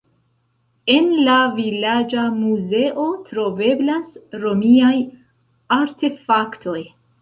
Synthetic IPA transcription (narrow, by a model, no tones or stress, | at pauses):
e̞nlavilad͡ʒamuze̞ʔo̞tɾo̞ve̞blasɾo̞miaj | aɾte̞faktʰo̞j